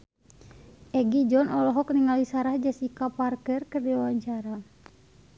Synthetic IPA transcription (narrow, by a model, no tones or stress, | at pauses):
ʔɛɡid͡ʒɔnɔlɔɦɔk̚niŋalisaɾahd͡ʒasikaparkɛrkərdiwawaɲt͡ʃaɾa